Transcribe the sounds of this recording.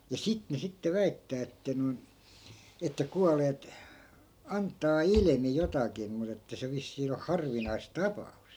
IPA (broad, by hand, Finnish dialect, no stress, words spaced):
jɑ sit ne sitːe ʋæitːæː etːæ noi̯n etːæ kuɑleːt ɑntːɑː ilmi jotɑkim mut etːæ se ʋisːiː o hɑrʋinɑis tɑpɑust